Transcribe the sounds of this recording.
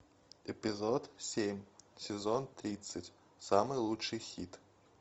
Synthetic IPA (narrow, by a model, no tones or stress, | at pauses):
ɛpʲɪzɔt̪sʲemʲsʲɪzɔnt̪ɾʲit̪sətʲ | samɨjlˠut͡ʂɨjxʲit̪